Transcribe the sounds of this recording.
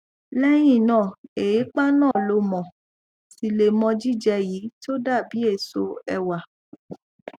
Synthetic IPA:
lɛ˦j̃ĩ˦˨nãː˦˨e˨je˨˦k͡pa˦nãː˦˨lo˧mɔ̃˨ | si˧le˨mɔ̃˧d͡ʒi˦d͡ʒɛ˧ji˨˦to˦da˦˨bi˨˦e˦˨so˧ɛ˧wa˨

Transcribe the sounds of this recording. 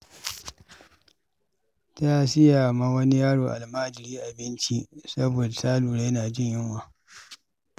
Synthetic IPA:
ta˦sɪ˦jaː˨ma˦wɐ˦ni˦jaː˦ɽoː˨ʔa̰˨lmaː˦d͡ʒɪ˨ɾiː˦ʔa˨bɪ˦nt͡ʃi˦sɐ˦boː˨da˨saː˦luː˨ɽa˦jnaː˨d͡ʒɪ˦ɲjɪ˦ŋwaː˦

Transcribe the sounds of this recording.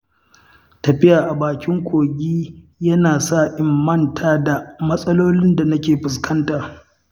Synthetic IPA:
tɐ˨ɸɪ˦jaː˨ʔa˨baː˨kʲɪ˦ŋkʷoː˨ɡʲiː˦jɐ˦naː˨saː˦˨ʔɪ˨mːɐ˦ntʰaː˦da˨mɐ˦sʼɐ˦loː˦lɪ˦nda˨nɐ˦kʲeː˨ɸɪ˨s̬kʰɐ˦ntaː˨

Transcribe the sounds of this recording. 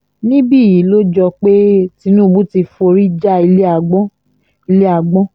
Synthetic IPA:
nĩ˦bi˦˨ji˨˦lo˦d͡ʒɔ˧k͡pe˦ti˧nũ˦˨bũ˦ti˧fo˧ɾi˦d͡ʒa˦i˧le˦a˧˨ɡ͡bɔ̃˦ | i˧le˦a˧ɡ͡bɔ̃˦

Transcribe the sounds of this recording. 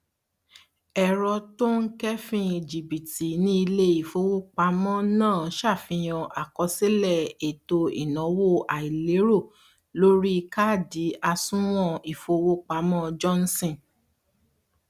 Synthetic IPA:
ɛ˨ɾɔ˧to˦ŋ̩˦kɛ˦fĩ˧˨d͡ʒi˨bi˨ti˨nĩ˦i˧le˦i˨fo˧wo˦k͡pa˧˦mɔ̃˦nãː˦˨˦ʃa˦˨fĩ˧j̃ɔ̃˧ʔa˨kɔ˧se˦lɛ˦˨e˨to˧ḭ˨nɔ̃˨˦wo˦ʔa˨i˨le˨˦ɾo˦˨ | lo˦ɾi˦ka˦˨di˨˦a˧sũ˦w̃ɔ̃˦i˨fo˧wo˦k͡pa˨˧˦mɔ̃˦d͡ʒɔ˦n̩˦sĩ˦˨

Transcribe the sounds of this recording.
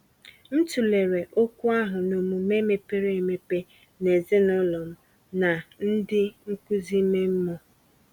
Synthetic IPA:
n̩˦tu˨le˨ɾe˨ʔo˦kʷu˦a˦ɦʊ˨no˨mu˨me˦me˦pe˦ɾe˨me˨pe˦ | ne˨ze˦nɔ˦lɔ˨m̩˦ | na˨n̩˦dɪ˦ŋ̩˦kʷu˦zi˦me˦m̩˦mɔ˦

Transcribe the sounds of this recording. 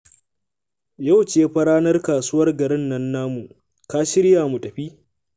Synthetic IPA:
ja˦˨wt͡ʃeː˦ɸɐ˦ɽaː˦nɐ˦rkaː˨su˦wɐ˦rɡɐ˨ɾɪ˦nːɐ˦nːaː˦mu˨ | kaː˦ʃɪ˦ɾjaː˨mu˨tʼɐ˨ɸiː˦

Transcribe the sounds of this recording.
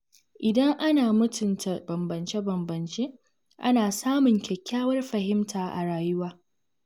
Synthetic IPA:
ʔɪ˨dɐ˦ŋʔa˦naː˨mʊ˦tʰʊ˨ntʰa˨bɐ˨mbɐ˨nt͡ʃe˦bɐ˨mbɐ˨nt͡ʃeː˦ | ʔa˦naː˨saː˦mʊ˨ŋkʲʰɛ˨kʲːaː˦wɐ˦rɸɐ˨hɪ˦mtʰaː˨ʔa̰˨ɽaː˨jʊ˦waː˦

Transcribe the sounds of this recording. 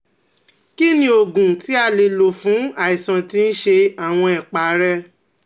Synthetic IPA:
ki˦nĩ˦o˨ɡũ˨ti˨˦a˦˨le˧lo˨fũ˨˦a˨i˨sã˨tĩ˦n̩˦ʃe˧a˨w̃ɔ̃˧ɛ˨k͡pa˨˦ɾɛ˦

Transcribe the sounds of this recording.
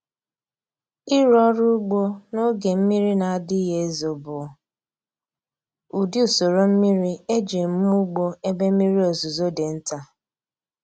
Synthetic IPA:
i˦ɾɔ˦ɾʊ˦ɡ͡bo˦no˦ɡe˨m̩˦mi˦ɾi˦na˨a˨dɪ˦ɦe˦e˦zo˨bʊ˨ | u˨di˦u˨so˨ɾo˦m̩˦mi˦ɾi˦e˦d͡ʒe˨m̩˦mu˦ɡ͡bo˦e˦be˦m̩˦i˦ɾi˦o˨zu˨zo˦de˨n̩˦ta˦

